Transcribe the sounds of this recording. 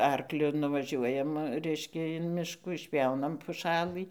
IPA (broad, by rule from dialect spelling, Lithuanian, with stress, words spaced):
ˈɐrklʲʊ nʊʋɐˈʒʲuɔjɛm ˈrʲɛɪʃʲkʲɛ ɪn ˈmʲɪʃkuː ɪʃʲpʲˈjɛʊnɐm pʊˈʃɑːlˠɨ